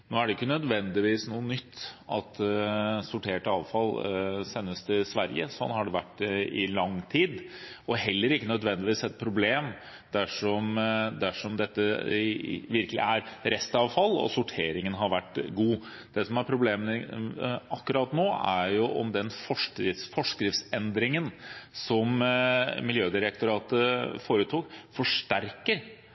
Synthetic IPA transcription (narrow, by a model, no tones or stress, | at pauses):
noːæɖɛɪkːənœd̪ʋɛnd̪ɪʋiːsnuːənʏt̪ːɑ̰t̪sʊʈʰeːʈɑːʋfɑlsɛnːəst̪ʰɪlsʋæɾjə̰sɔnːhɑɖɛʋæʈːɪlɑŋt̪ʰiːd̪ | ʔɔɦɛlːəɾɪkːənœd̪ʋɛnd̪ɪʋiːsɛt̪̚pʰɾʊbleːm | d̪̥æʂɔmd̪æʂɔmd̪ɛt̪ːə | ʋɪɾkəlɪ̰æɾɾɛst̪əɑʋfɑlːɔ̰sʊʈʰeːɾɪŋənɦɑɾʋæʈːɡuː | d̪̥ɛsɔmæɾpʰɾʊbleːmən | ɑkːʉɾɑt̪noːæ̰ɾjʊʔɔ̰md̪ɛnfɔʂkɾɪsfɔʂkɾɪft̪sɛnd̪ɾɪŋənsɔm | mɪljøːd̪ɪɾək̚t̪ʊɾɑːt̪əfoːɾət̪ʰuːkfɔʂʈæɾkəɾ